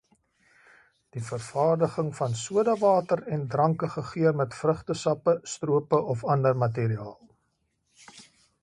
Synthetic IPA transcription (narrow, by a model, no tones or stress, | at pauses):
d̥ifərfɑːrdəχəŋfɐnsuədɑvɑːtərɛndrɐŋkəχəχiərmɛtfrəχtəsɐpəstruəpəʔɔfɐndərmɐt̬iɾiɑːlˠ